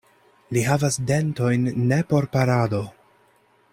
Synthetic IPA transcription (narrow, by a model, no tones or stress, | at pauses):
liɦavasde̞nto̞jnːe̞po̞ɾpaɾado̞